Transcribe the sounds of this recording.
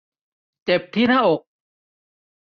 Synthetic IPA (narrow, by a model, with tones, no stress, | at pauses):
t͡ɕe˨˩p̚t̪ʰiː˥˩nʰaː˥˩ʔo˨˩k̚